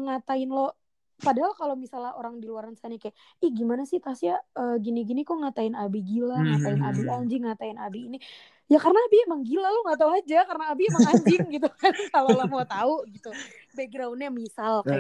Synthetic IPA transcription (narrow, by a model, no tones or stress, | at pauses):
əŋat̪aɪnlo | padaɦalkalowmisalaoɾaŋdiluaɾansanikaja | ihɡimanasɪt̪asijaəːɡiniɡinikoŋat̪aɪnabiɡilaŋat̪aɪnʔabiaɲd͡ʒɪŋːat̪aɪnabiːni | jakarnaːbijaməŋɡilaloŋat̪̬auad͡ʒakarnaːbijaməŋaɲd͡ʒɪŋɡit̪ukankalolomt̪auɡit̪u | beɡɾaunɲamisalkaja